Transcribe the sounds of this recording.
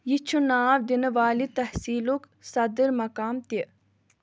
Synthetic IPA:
jit͡ʃʰunaːʋd̪inʋaːlit̪ɐhsiːluk | sɐd̪əɾmɐkaːmt̪i

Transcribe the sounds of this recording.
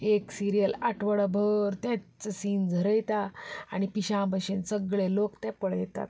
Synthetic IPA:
eksiɾijəlaʈʰʋəɽbʱəɾt̪ɛ̃t͡səsind͡zʱəɾəjt̪aaɽ̃ipiɕãbʱaɕensəɡɭelokt̪ɛ̃pəɽjɛt̪a̰t̪

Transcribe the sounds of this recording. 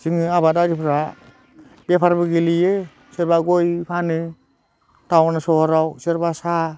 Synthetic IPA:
zɯŋɯabadaɾipʰɾa | bepʰaɾbɯɡilijɯ | seɾbaɡojpʰanɯ | tawanɯsɔhɔɾawseɾbasa

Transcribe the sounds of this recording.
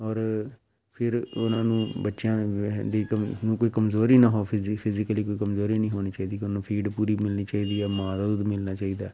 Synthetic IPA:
ɔːɾ | pʰɪɾʊnãːnũːbətːʃjãːd̪iːkənũːkoːiːkəmzoːɾiːnãːɦoːpʰɪpʰɪzɪkəliːkoːiːkəmzoːɾĩːnĩːɦoːniːt͡ʃaːiːd̪iːkʊnaːnũːpʰiːɖpuːɾiːmɪlniːt͡ʃaːiːd̪iːɛːmãːt̪aːd̪ʊd̪mɪlnaːt͡ʃaːiːd̪aːɛ

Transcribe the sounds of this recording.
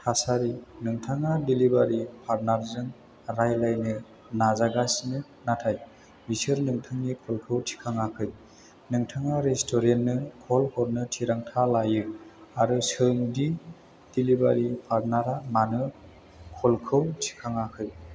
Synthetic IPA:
tʰasaɾinɯŋtʰaŋadilibaɾipʰaɾnaɾzɯŋ | ɾajlajnɯ | nazaɡasnɯ | natʰaj | bisɯɾnɯŋtʰɯŋnikʰɔlkʰɯwtʰi̥kʰaŋakʰɯj | nɯŋtʰaŋaɾestʰɔɾenːɯkʰɔlkʰɔɾnɯtʰiɾaŋtʰalajɯaɾɯsɯŋdi | d̥ilibaɾipʰaɾnaɾamanɯ | kʰɔlkʰɯwtʰi̥kʰaŋakʰɯj

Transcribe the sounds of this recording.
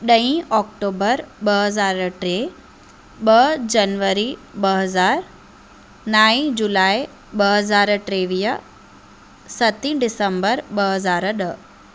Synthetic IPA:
ɗɐ̃ĩʔɔːk̚ʈoːbəɾɓɐɦəzaːɾʈɾe | ɓɐd͡ʑɐnʋəɾiɓɐɦəzaːɾ | naːĩd͡ʑulaːi | ɓɐɦəzaːɾʈɾeːʋiːə | sɐt̪ĩɖɪsəmbəɾɓɐɦəzaːɾɗə

